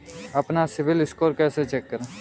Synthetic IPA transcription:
əpnasɪʋɪlɪskoːɾkɛːset͡ʃɛːkːəɾe

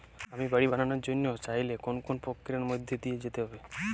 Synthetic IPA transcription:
amibaɽiban̤anoɾd͡ʒonːjot͡ʃaɦjlekonkonpokːiɾaɾmojd̪ʱːed̪ijed͡ʒet̪eɦɔbe

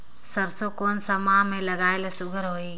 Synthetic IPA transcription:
sɐɾsokoːnsɐmaːmẽlɐɡaːelesʊɡʱəɾɦoːiː

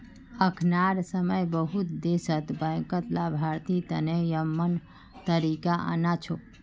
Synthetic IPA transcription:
əkʰnaɾsəməjbəɦut̪d̪esət̪bə̃kət̪labʱaɾt̪it̪ənejəmːən | t̪əɾikaʔa̰nat͡ʃʰo

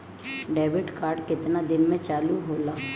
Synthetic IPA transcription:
ɖeːbɪʈkaːɾɖkɪt̪nad̪ɪnmẽt͡ʃaːluɦoːlaː

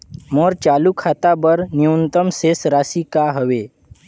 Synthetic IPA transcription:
moɾt͡ʃalukʰat̪abəɾniunt̪əmsesɾasikaɦəʋe

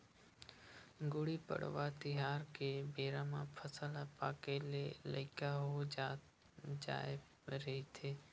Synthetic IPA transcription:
ɡʊɽipə̰ɽ̤ʋat̪ɪɦaːɾkebeːɾamãpʰəsəlapaːkelelə̰ɪkaɦod͡ʒ | d͡ʒa̰ːe | ɾəɦit̪ʰeː

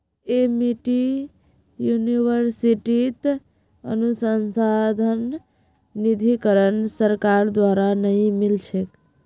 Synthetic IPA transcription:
emiʈi | juniwəɾsiʈit̪ | ə̰nusənsad̪ʱənː | id̪ʱikəɾənsəɾkaɾd̪waɾanəĩmilt͡ʃʰek

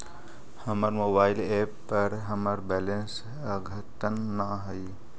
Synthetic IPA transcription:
hɐmaɾmoːbaːɪleːpːɐɾɦɐmaɾbɛːlẽns | əɡʱət̪ənːaɦɐi

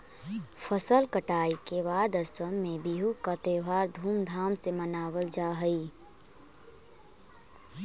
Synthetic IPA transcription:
fʰəsəlkəʈaːikeβaːd̪əsəmːẽbiɦukat̪eːʋaːɾd̪ʱuːmd̪ʱaːmsemənaːwəld͡ʒaːɦəi

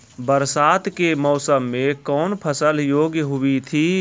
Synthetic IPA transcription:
bəɾsaːt̪kemɔːsəmːẽkɔːnpʰəsəljoːɡjəɦʊit̪ʰi

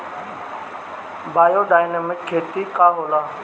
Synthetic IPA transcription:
baːjoːɗaːjneːmɪkʰːeːt̪iːkaːɦoːlaː

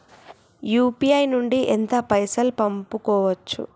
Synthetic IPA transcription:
juːpiɐjnuɳɖiʔɛnt̪ɐpɐjsɐlpɐmpukɔːʋɐt͡ʃːṵ

